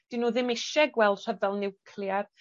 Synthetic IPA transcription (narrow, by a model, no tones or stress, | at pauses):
d̥ɪnuːðɪmɪʃɛɡwɛlˠd̥r̥ɛdvɛlˠnɪwkʰljar